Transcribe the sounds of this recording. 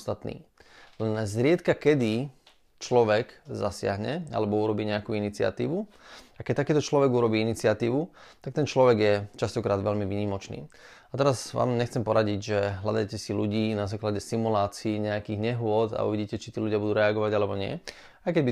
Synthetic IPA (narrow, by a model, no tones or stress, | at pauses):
st̪at̪nḭːlɛnzɾɪɛt̪kakɛd̪i | t͡ʃlɔʋɛɡzasɪa̰ɦɲɛa̰lɛbɔuɾɔbiːɲɛakuːinit͡sɪa̰t̪ḭːʋu | akɛct̪akiːt̪ɔt͡ʃlɔʋɛɡuɾɔbiːinit͡sɪat̪iːʋut̪ak̚t̪ɛnt͡ʃlɔʋɛɡjɛt͡ʃast̪ɔkɾaːd̪ʋɛʎmiʋiːɲiːmɔt͡ʃnḭːat̪ɛɾazʋa̰ːmɲɛxt͡sɛmpɔɾaɟiɟʒɛɦla̰d̪ajcɛsiluɟiːnazaːklaɟɛsimulaːt͡siːɲɛakiɣɲɛɦʊɔd̪a̰ṵʋiɟiːcɛt͡ʃit̪iːluɟɪabud̪uːɾɛaɡɔʋaɟalɛbɔɲɪɛ̰ | ajkɛɟbi